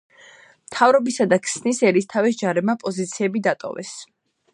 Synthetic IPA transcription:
mt̪ʰavɾɔbisad̪akʰsnisɛɾist̪ʰavis̬d͡ʒaɾɛmapʼɔzit̪sʰiɛbid̪at̪ʼɔ̰vɛ̰s

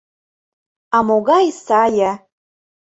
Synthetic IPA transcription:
amoɡaisaja

